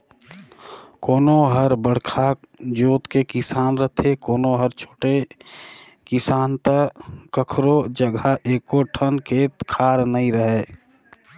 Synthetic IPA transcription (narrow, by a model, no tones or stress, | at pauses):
koːnoɦəɾbəɽ̤kʰa | d͡ʒoːt̪kekɪsaːnɾət̪ʰekoːnoɦəɾt͡ʃʰo̥ːʈe | kɪsaːnt̪əkəkʰɾod͡ʒəɡʱaʔeːkoʈʰənkʰeːt̪kʰaːɾnəɦĩɾəɦeː